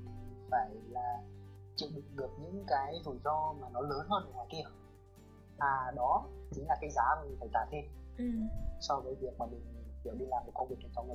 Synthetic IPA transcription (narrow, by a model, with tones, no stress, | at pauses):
faː˧˩jlaː˨˩ | t͡ɕɨ˧˨ɗï˧˨ŋ̟ɣɨ˨˩əp̚ɲɨ̰˧˥ŋkaː˨˦jzu˧˩jzɔ˧maː˨˩nɔ˨˦ləː˨˦nɦəː˧nʔə˨˩ŋaː˨˩jki˧ə | ʔaː˨˩ɗɔ˨˦t͡ɕï˨˦ŋ̟laː˨˩kaː˨˦jzaː˨˦maː˨˩mi˨˩ŋfa˨˧˩jt̪aː˧˩t̪ʰe˧m˨˩ | sɔ˧vəː˨˦jvi˨˩ək̚maː˨˩mï˨˩ŋ̟vi˧˩˨wɗi˧laː˨˩mːo˨˩t̚kə˧wŋ͡mvi˨˩k̚ə˨˩t͡ɕɔ˧wŋ˨˩˨